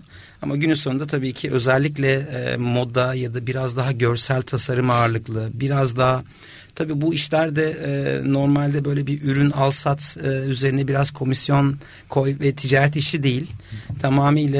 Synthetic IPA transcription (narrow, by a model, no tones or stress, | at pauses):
amaɟynysound̪at̪ʰabiːcʰiʔø̞zɛlʲːic̬lʲɛ̰mo̞d̪ajad̪abiɾazd̪aɦaɟø̞ɾsælʲt̪ʰasaɾɯmaːɾlˠɯklˠɯbiɾazd̪aɦa | t̪ʰabiːbuiʃlʲæɾd̪ɛno̞ɾmalʲd̪ɛbø̞jlʲɛbiɾʔyɾynalˠsat̪ɯːyze̞ɾinɛbiɾaz̥kʰo̞misjo̞n | kʰo̞jvɛt̪ʰid͡ʒaːɾɛt̪̬iʃid̪e̞jilʲt̪ʰamaːmiːlʲɛ